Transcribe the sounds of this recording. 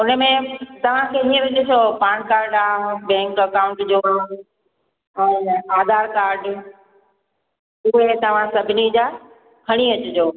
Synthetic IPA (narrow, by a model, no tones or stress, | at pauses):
ʊnə̆mẽt̪ɐʋ̤ãkʰeːiːə̃ʋɪd͡ʑɪsʰopaːñkaːɾɖaːbɛ̃ːŋkɐkaːʊ̃ɳʈd͡ʑoː | ɛ̃ːaːd̪ʱaːɾkaːɾɖ | ʊɦet̪ɐʋ̤ãsɐbʱɪnid͡ʑaː | kʰɐɽ̃iɐt͡ɕʊd͡ʑoː